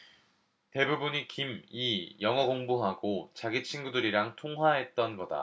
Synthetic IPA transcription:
te̞bubuɲikimijʌŋʌɡoŋbuɦaɡot͡ɕaɡit͡ɕʰinɡudɯɾiɾaŋtʰoŋɦwaɦe̞t̚t͈ʌnɡʌda̰

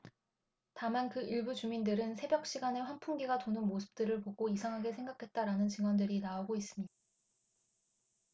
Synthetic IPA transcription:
tamankɯiɭbut͡ɕumindɯɾɯnsʰe̞bjʌk̚ɕ͈iɡane̞ɸwanpʰuŋɡiɡatonɯnmosʰɯ̥p̚t͈ɯɾɯɭpoɡoisʰaŋɦaɡesʰe̞ŋɡakʰe̞t̚t͈aɾanɯnt͡ɕiŋwʌndɯɾinaoɡois͈ɯmɲida

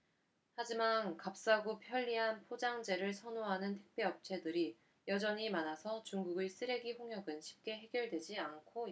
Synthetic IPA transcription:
had͡ʑimankap̚s͈aɡopʰjʌʎːiɦanpʰod͡ʑaŋd͡ʑe̞ɾɯɭsʰʌnoɦanɯntʰek̚p͈ʰeʌp̚t͡ɕʰe̞dɯɾi | jʌd͡ʑʌɲimanasʰʌt͡ɕuŋɡuɡɯɭs͈ɯɾe̞ɡiɸoŋɦjʌɡɯnɕʰi̥p̚k͈e̞ɦe̞ɡjʌɭdwe̞d͡ʑiankʰo

